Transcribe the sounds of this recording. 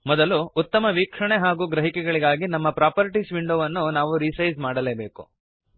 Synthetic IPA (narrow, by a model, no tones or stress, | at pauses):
mɔd̪ɐluːt̪ːɐmɐʋiːkʂɐɳeɦaːɡuːɡɾɐɦikɛɡɐɭiɡaːɡinɐmːɐpɾaːpɐɾʈisʋiɳɖoːʋɐnːunaːʋuɾisɐjzmaːɽɐleːbe̞ːkṵ